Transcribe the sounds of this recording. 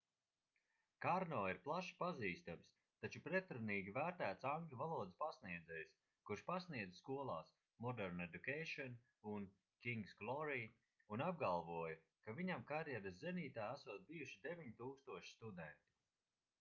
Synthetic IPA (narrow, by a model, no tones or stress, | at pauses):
kaɾnɔːiɾplˠaʃi̥paziːst̪ams | t̪at͡ʃupɾɛt̪ɾuniːɡʲivæːɾt̪æːt̪saŋɡlʲuvalˠuɔd̪ispasniɛd̪zɛjs | kuɾʃpasniɛd̪zskuɔlˠɑ̰ːs | mɔd̪ɛɾned̪ukejʃɔn | un | kʲiŋɡsɡlˠɔɾiː | unab̚ɡalˠvuɔja | kaviɲamkaɾjɛɾaszɛniːt̪aːæsuɔt̪̚bijuʃid̪evʲiɲit̪uːkst̪uɔʃi̥st̪ud̪ɛnt̪i̥